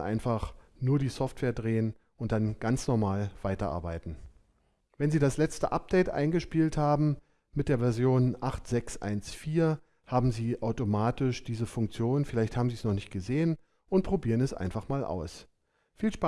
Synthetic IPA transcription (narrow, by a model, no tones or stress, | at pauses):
ʔa̰ɪnfaχnuːɐdiːsɔftv̥eːɐdʁeːən | ʔʊnt̚d̥anɡ̥ant͡snɔɐmaːlv̥aɪtɐʔa̰ɐbaɪtn̩ | vɛnziːdaslɛt͡stəʔap̚d̥ɛɪtʔa̰ɪnɡəʃpiːlthaːbm̩ | mɪt̚d̥eːɐvɛɐzjoːnʔaχtz̥ɛksʔa̰ɪnsfiːɐ | haːbm̩ziːʔaʊtomaːtɪʃd̥iːzəfʊŋkt͡sjoːnnfɪlaɪçthaːbm̩ziːsnɔχnɪçt̚ɡ̥əzeːən | ʔʊnt̚pʁ̥obiːʁənɛsʔa̰ɪnfaχmaːlʔa̰ʊs | fiːlʃpa